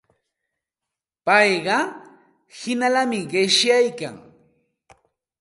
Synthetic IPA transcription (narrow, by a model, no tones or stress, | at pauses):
pɑjɢɑ | hɪnalamɪɢɪʃjajka̰ŋ